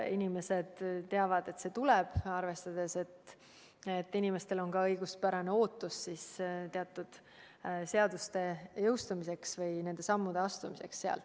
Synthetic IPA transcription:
inime̞sed̪̥t̪e̞ɑvɑd̪̥e̞t̪ːse̞t̪ulɛb̥ɑrve̞st̪ɑd̪̥e̞se̞t̪ː | et̪ːinime̞st̪e̞lo̞nkɑɤjɡ̥uspæɾɑne̞o̞ːt̪ːˑusːiːst̪eɑt̪ːˑud̪̥ | se̞ɑd̪̥ust̪e̞jɤwst̪umise̞ksvɤjne̞nd̪e̞sɑmːud̪̥e̞ɑst̪umise̞̰ksseɑ̰l

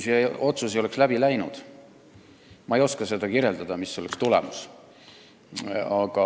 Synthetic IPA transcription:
sio̞t̪susio̞le̞kslæb̥ilæjnṵd̪̥ | mɑejo̞skɑse̞d̪̥ɑkirje̞ld̪ɑd̪̥ɑmisːo̞lekst̪ulḛmus | ɑɡ̥ɑ

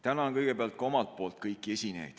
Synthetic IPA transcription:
t̪ænɑonkɤjɡ̥e̞peɑlt̪̚ko̞mɑlt̪̚po̞ːlt̪kɤjkːˑie̞sʲinḛjd̪̥

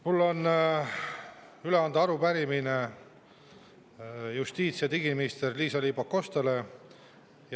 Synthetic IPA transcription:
mulːo̞n | yle̞ɑnd̪ɑɑɾupæɾimine | just̪iːt̪sijɑt̪iɡiminist̪e̞rliːsɑliːbɑkːo̞st̪ɑle̞ | j

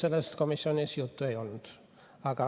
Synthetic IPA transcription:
selːest̪komisːionʲisiut̪ːuejolnut̪ | ɑkɑ

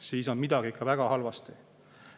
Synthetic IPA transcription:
siːso̞nmid̪̥ɑɡ̥iikːɑvæɡ̥ɑhɑlvɑst̪i

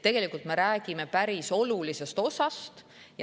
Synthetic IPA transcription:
e̞ɡ̥e̞likˑult̪me̞ɾæːɡime̞pæɾiso̞lulise̞st̪o̞sɑst̪ | j

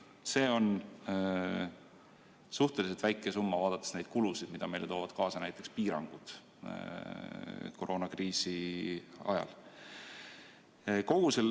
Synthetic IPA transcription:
se̞ːo̞n | suht̪e̞liselt̪væjkːˑesumːɑvɑːd̪ɑt̪ːˑesne̞jd̪̥̚kulusid̪̥mid̪̥ɑme̞jleo̞ːvɑd̪̥kɑːsɑnæjt̪ːˑe̞kspiːɾɑ̰ŋɡ̥ud̪̥ | ko̞ɾʔo̞ːnɑkriːsi | ɑ̰jɑ̰l | ko̞ɡ̥usel

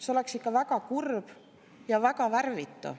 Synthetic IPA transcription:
seoleksikːˑɑvækɑkurb̥ | jɑvækɑʋærvit̪ːo̰

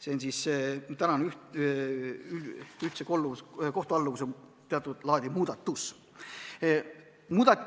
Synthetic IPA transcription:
seonʲsist̪ænɑnyht | ylyht̪sekolːusko̞ht̪oɑlːukuso | t̪eɑt̪ːˑud̪̥lɑːd̪̥ʲimuːd̪̥ɑt̪ːus | muːd̪̥ɑ

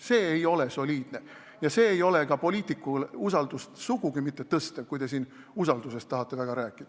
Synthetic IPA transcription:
se̞ːejo̞le̞so̞lʲiːd̪̥ne̞ | jɑse̞ːejo̞le̞ɡɑpo̞lʲiːt̪ːˑikːˑulusɑld̪̥ust̪suɡ̥uɡ̥imit̪ːe̞t̪ɤst̪ekujd̪e̞s̬iːn | usɑld̪use̞st̪ːɑɦɑt̪ːe̞væɡ̥ɑɾæːkːˑid̪̥ɑ

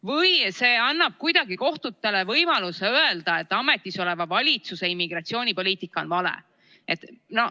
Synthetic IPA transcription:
vɤjse̞ːɑnːɑb̥̚kujd̪̥ɑɡiko̞ht̪ut̪ːˑe̞le̞vɤjmɑluse̞øeld̪̥ɑe̞t̪ːˑɑme̞t̪ːˑiso̞le̞vɑvɑlʲit̪suse̞imːiɡ̥rɑt̪sio̞ːnʲipo̞liːt̪ikːˑɑonvɑlḛ | et̪ːno̞

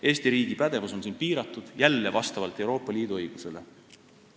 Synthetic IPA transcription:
e̞ːst̪iɾiːɡ̥ipæd̪̥e̞vuso̞nsiːnpiːɾɑt̪ːˑud̪̥jælːevɑst̪ɑvɑlt̪ːˑe̞wɾo̞ːpːˑɑliːd̪uɤjɡ̥use̞le̞̰

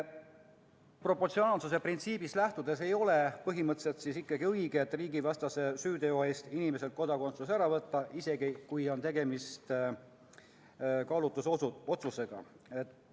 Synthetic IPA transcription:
pro̞pːort̪sioɑːlsuse̞print̪siːb̥islæht̪ud̪e̞se̞jo̞le̞pɤɦimɤt̪se̞lt̪sisikːɑɡiɤjɡet̪ːˑriːɡivɑst̪ɑse̞syːd̪e̞oe̞ːst̪inimeselt̪̚ko̞d̪ɑko̞nt̪susæɾɑvɤt̪ːɑʔise̞ɡikujo̞nt̪e̞ɡe̞mist̪ | kɑlut̪ːuso̞t̪suse̞ɡ̥ɑ̰ | et̪ːˑ

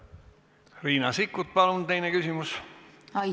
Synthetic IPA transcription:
riːnɑsikːˑut̪̚pɑlunt̪e̞jnekysimusɑ

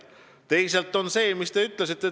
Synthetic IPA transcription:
t̪e̞jse̞lt̪ːˑo̞nse̞ːmist̪e̞yt̪ˑles̬it̪ːˑe

